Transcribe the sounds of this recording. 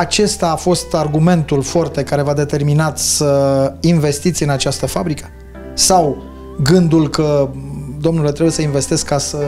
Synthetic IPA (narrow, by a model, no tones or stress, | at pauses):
at͡ʃe̞st̪aːfo̞st̪arɡume̞nt̪ulfoart̪e̞kaɾe̞vad̪e̞t̪e̞rminat̪səinve̞st̪it̪sʲɨnat͡ʃast̪əfabɾikə̥ | saw | ɡɨnd̪ulkəd̪o̞mnule̞t̪ɾebujesəinve̞st̪e̞skːasə